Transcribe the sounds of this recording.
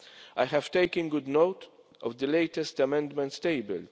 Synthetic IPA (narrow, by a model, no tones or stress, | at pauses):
ʔajɦæv̥t̪eɪkə̃nɡʊd̪noʊt̪ | ʔɔvd̪əleɪt̪ɛstɐmɛ̃nd̪mɛ̃ntst̪eɪbə̰l